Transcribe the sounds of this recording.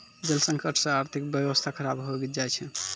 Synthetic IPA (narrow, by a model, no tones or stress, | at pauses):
d͡ʒəlsə̃ŋkəʈʰsə̃aɾt̪ʰikbjəʋəst̪ʰakʰəɾabɦoɡit̪d͡ʒajt͡ʃʰɛ